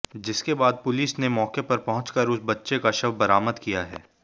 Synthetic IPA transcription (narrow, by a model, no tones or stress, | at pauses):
d͡ʒɪskebaːd̪̚pʊliːsnemɔːkepɐɾpɐɦʊ̃t͡ʃkəɾʊsbɐtːʃekaʃɐbbɐɾaːməd̪kijaɦɛ̰ː